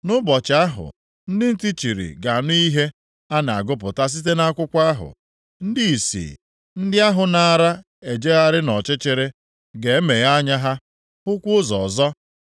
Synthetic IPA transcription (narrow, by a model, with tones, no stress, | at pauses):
nʊ˦bɔ˨t͡ʃɪ˨a˦ɦʊ̰˨ | n̩˦dɪ˦n̩˦ti˦t͡ʃi˨ɾḭ˨ɡa˨a˨nʊ˦i˦ɦe˦ | a˦na˨a̰˨ɡʊ˦p̬ʊ˨ta˦s̬i˦t̬e˦na˦kʷʊ˦kʷa˦ɦʊ̰˨ | n̩˦di˦i˨sḭ˨ | n̩˦dɪ˦a˦ɦʊ˨na˨ɾa˦ | e˨d͡ʒe˦a˦ɾɪ˦nɔ˨t͡ʃɪ˦t͡ʃe˨ɾe˦ | ɡe˨e˦me˨ɣa˦ɲa˦ɦa˦ | ʊ˦kʷu˦ʊ˦zɔ˨zɔ˦